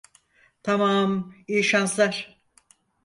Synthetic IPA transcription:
t̪ʰamaːmiːʃanslˠaɾ̥

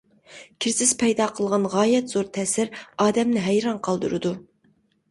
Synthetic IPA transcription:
kʲʰiɾsɪz̥pʰɛjd̪ɑqʰəlˠʁɑnʁɑːjɛt̪z̥oɾt̪ʰɛsɪɾɑːd̪ɛmnɪɦæjɾɑnqʰɑlˠd̪ṵɾɨd̪u

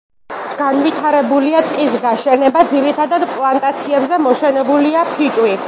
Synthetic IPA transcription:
ɡ̥anvit̪ʰaɾɛbuliat̪ʼqʼisɡaʃɛnɛbad̪zilit̪ʰad̪ad̪pʼlˠant̪ʼat̪sʰiɛbzɛmɔʃɛnɛbuliapʰit͡ʃʼwi

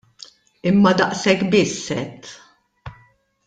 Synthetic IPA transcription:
ɪmːɐd̪ɐʔsɛkːbɪsːɛt̪ː

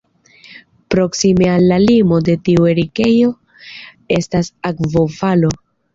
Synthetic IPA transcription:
pɾo̞ksime̞alːalimo̞de̞tiue̞ɾike̞jo̞ | e̞stasakvo̞valo̞

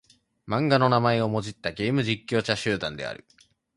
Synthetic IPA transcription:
mãŋɡano̞namae̞o̞mo̞d͡ʑit̪ːaɡe̞ːmɯ̟ʑikʲːo̞ːt͡ɕaɕɨːd̪ãnd̪e̞̰a̰ɾɯ̟̰

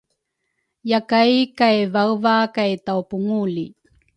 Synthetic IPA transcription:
jakajkajvawvakajtawpuŋulḭ

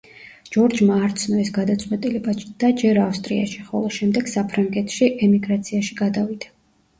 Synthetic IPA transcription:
d͡ʒɔɾd͡ʒmaːɾt̪sʰnɔɛsɡad̪at̪sʼqʼwɛt̪ʼilɛbad̪̥ad͡ʒɛɾafst̪ʼɾia̰ʃi̥χɔ̰lˠɔʃɛmd̪ɛɡ̥sapʰɾaŋɡɛt̪ʰʃiʔɛmiɡɾat̪sʰiaʃiɡad̪avid̪̥a

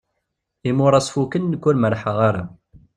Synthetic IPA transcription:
imʊɾˤɑsˤfukənːəkʷːʊɾməɾħəʁaɾa

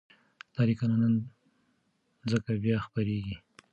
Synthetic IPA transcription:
t̪ɑɾikananan | d͡zəkabjɑxpaɾeɡi

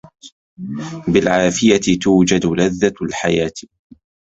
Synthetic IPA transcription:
bɪlʕaːfɪjat̪ɪt̪uːd͡ʒad̪laðːalħajaːt̪

